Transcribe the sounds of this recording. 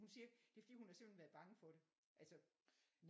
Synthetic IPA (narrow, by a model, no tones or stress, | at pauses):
hunsiːɐd̥e̝fəd̥ḭːhunhɑ̈se̝m̰̥len̩ʋæɐðˠb̥ɑ̈ŋəfɒ̽ɾ̥e̝ | ʔælsən